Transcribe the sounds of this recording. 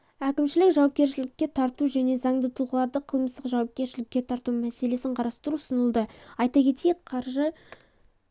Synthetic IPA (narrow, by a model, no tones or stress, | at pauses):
ækʲɪmʃɪlɪkʒɑwɑp̚kʲe̞ɾʃɪlɪkʲːe̞t̪ʰɑɾt̪uʒæne̞zɑɴd̪ət̪ʰulˠʁəlˠɑɾd̪əqʰəlˠməst̪əqʒɑwɑp̚kʲe̞ɾʃɪlɪkʲːe̞t̪ʰɑɾt̪umæse̞le̞sɪɴqʰɑɾɑst̪əɾuʊsənəlˠd̪əɑjt̪ɑkʲʰe̞t̪ejk̚qʰɑɾʒə